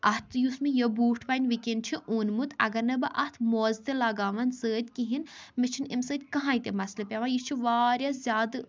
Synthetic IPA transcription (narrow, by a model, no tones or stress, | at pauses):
ʔɐht̪ʰjusmijɐbuːʈʰpaːnʲʋikent͡ʃʰiʔuːnmut̪ʰɐ̰ɡɐɾnɐbɨʔɐht̪ʰmoːzt̪elɐɡaːʋɐnsəːd̪ʲkiɦinmit͡ʃʰinimsəːd̪ʲkɐɦãːit̪emɐslɐpʲeʋãjist͡ʃʰiʋaːɾjazʲjaːd̪